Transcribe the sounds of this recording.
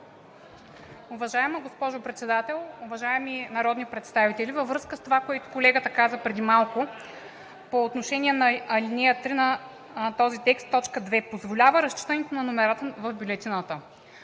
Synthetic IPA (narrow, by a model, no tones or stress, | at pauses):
ʊvɐʒaɛməɡospɔʒʊpɾɛt̪sɛd̪at̪ɛlˠovɐʒaɛminɐɾɔd̪nipɾɛt̪st̪avit̪ɛlʲivɐvɾɤskəst̪ovakoɛt̪ʊ̥kolɛɡət̪əkazəpɾɛd̪imalˠkʊ | poːt̪noʃɛnʲiɛnɐɐlinɛət̪ɾinɐ | t̪ɔzit̪ɛkst̪ːɔt͡ʃkəd̪vɛpozvolʲavəɾɐst͡ʃi̥t̪ənɛt̪onɐnomɛɾat̪əvəvbʲjulʲɛt̪inət̪ə